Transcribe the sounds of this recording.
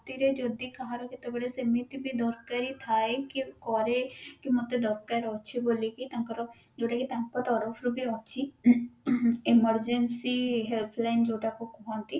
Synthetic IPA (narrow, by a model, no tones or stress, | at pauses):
t̪iɾed͡ʒoːd̪iːkəɦãɾokɪt̪ːebəɽesemit̪ibʱiːd̪ɔːɾkəɾiːt̪ʰaːekikɔːɾekimʊt̪ːed̪ɔɾkəɾɔʃʰiboːlikit̪ãːŋkəɾo | d͡ʒoːɖakit̪ãːŋkpət̪ɔːɾofʰɾubiɔːt͡ʃʰiː | ɪməɾd͡ʒənsiːɦɛlpʰlaːɪnd͡ʒoːɖakokoɦɔ̃nt̪i